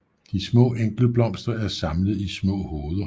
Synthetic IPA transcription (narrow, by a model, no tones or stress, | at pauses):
d̥ismɔ̰̽ːeŋ̰ɡ̥l̩b̥lɒ̽m̰sd̥ɐæɐsɑ̈mləð̞̩ˠismɔ̰̽ːhoːð̞ˠɐ